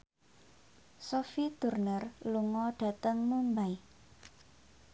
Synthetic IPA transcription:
sofit̪urnərluŋɔɖ̥ä̤t̪əŋmumbaj

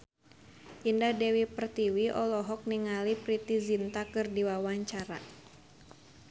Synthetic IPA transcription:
ʔindahdɛwipərt̪iwiʔɔlɔɦɔk̚niŋalipɾit̪izint̪akɨrdiwawaɲt͡ʃaɾa̰

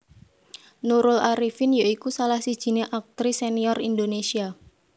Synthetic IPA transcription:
nuɾʊlaɾifɪnjaikusalahsid̥ʒ̥i̤neʔak̚t̪ɾiseniɔrind̪onesia

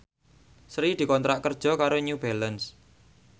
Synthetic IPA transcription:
sɾid̪̥i̤kɔnt̪ɾaʔkərd̥ʒ̥ɔ̤kaɾoɲub̥ɛləns

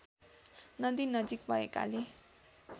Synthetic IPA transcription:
nʌd̪inʌd͡zik̚bʱʌḛka̰le

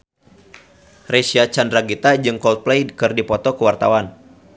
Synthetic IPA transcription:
resiat͡ʃandraɡit̪ad͡ʒɨŋkɔlt̪̚plejkɨrdipɔt̪ɔkəwart̪a̰wan

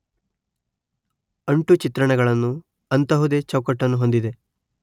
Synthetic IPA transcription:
ɐɳʈut͡ʃit̪ɾɐɳɛɡɐɭɐnːu | ɐnt̪ɐɦud̪e̞t͡ʃɐwkɐʈːɐnːuɦo̞nd̪id̪e̞

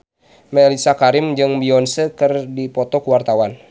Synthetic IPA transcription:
mɛlisakaɾɪmd͡ʒɨŋbiɔnsəkɨrdipɔt̪ɔkuwart̪awan

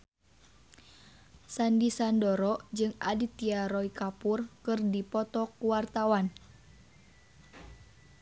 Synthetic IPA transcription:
sandisandɔɾɔd͡ʒɨŋadit̪iaɾɔikapurkɨrdipɔt̪ɔkuwart̪awan

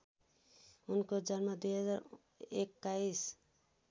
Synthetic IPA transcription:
unkɔd͡ʒanmad̪ujɦʌzaɾ | ekːais

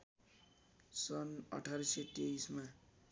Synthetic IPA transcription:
sʌnʌ̰ʈʰaɾset̪eisma

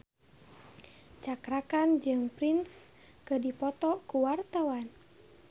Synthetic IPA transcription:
t͡ʃakɾakand͡ʒɨŋpɾins | kədipɔt̪ɔkuwart̪awan

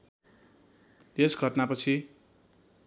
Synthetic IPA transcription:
esɡʱʌʈnapʌt͡sʰi

